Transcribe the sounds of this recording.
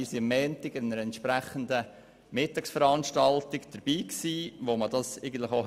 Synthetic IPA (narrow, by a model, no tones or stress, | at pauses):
iːsiəmːɛːntɪɡ̥ɪnnəɾɛntʃpɾæχənd̪ə | mɪtːɑksfəɾɑnʃtɑltɪɡd̥əɾb̥iːksiːʋoməd̥ɑsɛɪɡən̩tləχo